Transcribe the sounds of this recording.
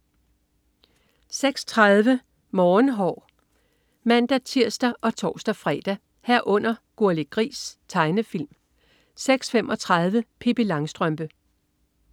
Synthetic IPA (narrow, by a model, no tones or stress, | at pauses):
seɡ̥st͡sʰʁɑðˠʋə | mɒːnɦɒ̰ː | mæn̰d̥æt͡sʰiɐ̰sd̥æʔɒ̽t͡sʰɒːsd̥æfʁɛ̰d̥æ | hæɐ̰ʔɔ̽n̰ɐɡ̥oæleɡ̥ʁḭːst͡sʰɑ̈ɪnəfil̰m | seɡ̥sfemʔɒ̽t͡sʰʁɑðˠʋəpʰeb̥ilɑ̈ŋsd̥ʁœmb̥ə